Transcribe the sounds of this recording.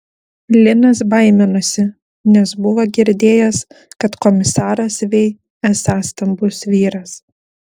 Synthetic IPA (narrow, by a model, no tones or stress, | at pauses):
lʲɪnɐs̬bɐɪmʲɪnʊsʲɪ | nʲɛsbʊʋoɡʲɪɾʲd̪ʲeːjɛskɐt̪kɔmʲɪsɑːɾɐsʋʲɛɪ | ɛsɑːst̪ɐmbʊsʋʲiːɾɐs